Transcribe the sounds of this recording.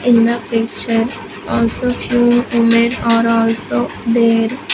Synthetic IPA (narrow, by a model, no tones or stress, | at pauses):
ɪ̃nd̪əpɪk̚t͡ʃəɾ | ɔːlsoːfʰjuːũmẽnɔːɾɔːlsoːd̪eːɾ